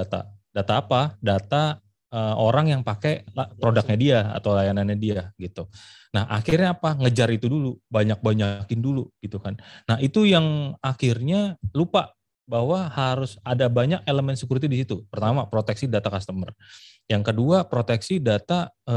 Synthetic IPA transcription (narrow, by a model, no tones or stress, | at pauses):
at̪a̰dat̪aːpadat̪a | əoɾaŋjaŋpakelapɾodak̚ɲadiaa̰t̪awlajananɲadiaɡit̪u | nahʔa̰kɪrɲaːpaŋəd͡ʒaɾit̪udulubaɲak̚baɲakɪnduluɡ̥it̪ukanːaɦit̪ujaŋaxɪrɲalupa | baɦwahaɾʊsadabaɲak̚eləmɛnsəkuɾt̪̬idisit̪upərt̪amapɾot̪ɛksidat̪akast̪əmərjaŋkəduapɾot̪ɛksidat̪aə